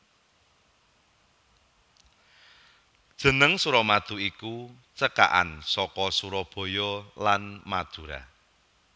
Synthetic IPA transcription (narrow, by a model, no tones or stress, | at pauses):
d̥ʒ̥ə̤nəŋsuɾɔmad̪̥ṳiku | t͡ʃəka̰ʔa̰nsɔkɔsuɾɔb̥o̤jɔlanmad̪̥ṳɾa̰